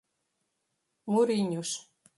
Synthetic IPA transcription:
muɾinʲuʃ

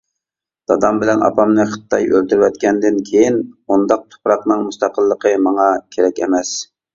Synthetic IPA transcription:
d̪̥ɑd̪ɑmbɪlɛnɑ̰pʰɑmnɨχə̥t̪ːɑjʔølt̪yɾwɛt̪kʲɛnd̪ɪnkʲʰejinund̪ɑq̚t̪ʰo̥pɾɑqnɨŋmust̪ɑqʰəlˠːəqʰəmɑŋɑkʲʰeɾɛkʲɛ̰mɛs

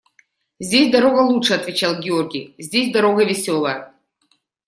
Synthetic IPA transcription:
zʲdʲesʲd̪ɐɾo̞ɡɐlˠutʂəɐt̪vʲɪt͡ɕalˠɡʲɪorɡʲijzʲdʲesʲd̪ɐɾoɣɐvʲɪsʲolˠɐ

